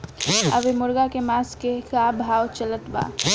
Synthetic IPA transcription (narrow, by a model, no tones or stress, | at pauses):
ə̰ʋemʊɾɡakemaskekabʱaːwt͡ʃələt̪ba̰